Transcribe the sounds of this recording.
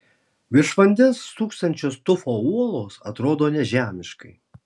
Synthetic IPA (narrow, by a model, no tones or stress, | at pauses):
ʋʲɪɾʃʋɐnʲd̪ʲɛst̪uːkst̪ɐnʲt͡ʃʲoːst̪ʊfoːuɔlˠoːsɐt̪ɾoːd̪oːnʲɛʒʲæːmʲɪʃkɐɪ